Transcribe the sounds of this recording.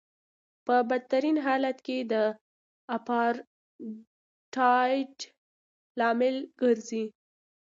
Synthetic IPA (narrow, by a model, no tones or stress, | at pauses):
pəbad̪̚t̪aɾinɦɑlat̪ked̪ə | apɑɾ | ʈɑjʈ | lɑmɪlɡ̥əɾzi